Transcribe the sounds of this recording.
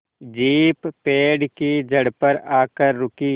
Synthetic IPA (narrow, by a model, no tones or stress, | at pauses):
d͡ʒiːpːeːɖkid͡ʒʱɐɽpəɾaːkəɾːʊkiː